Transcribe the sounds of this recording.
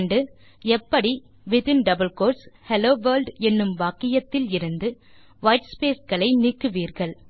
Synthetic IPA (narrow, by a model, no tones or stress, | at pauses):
ɳɖɯ | ɛpːɐɽi | ʋɪðɪnɖɐbɐlkoːɾshɛloːʋɐːɾlɖɛnːɯmʋaːkɪjɐt̪ːɪlɪɾɯnd̪ɯ | ʋɐɪʈspeːsɣɐɭɐɪniːkːɯʋiːɾɣɐɭ